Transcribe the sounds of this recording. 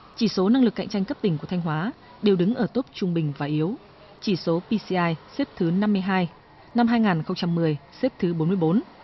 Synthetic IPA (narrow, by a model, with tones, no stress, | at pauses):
t͡ɕi˧˩so˨˦na˧ŋlɨ˨˩kːa̰˧˨ŋ̟t͡ɕa˧jŋ̟kə˦˥p̚t̪ï˩ŋku˧˩ət̪ʰa˧ŋ̟ɦwaː˨˦ | ɗe˨˩wɗɨ˨˦ŋʔəː˧˩t̪o˦˥p̚t͡ɕʊ˧ŋ͡mɓï˨˩ŋ̟vaː˨˩ʔi˨˦əw | t͡ɕi˧˩so˨˦pi˧si˧ʔaː˧jse˦˥p̚t̪ʰɨ˨˦na˧mːɨ˧əjɦaː˧j | na˧mɦaː˧jŋaː˨˩nxə˧wŋ͡mt͡ɕa˧mːɨ˨˩əjse˦˥p̚t̪ʰɨ˨˦ɓo˨˦nmɨ˧əjɓo˨˦n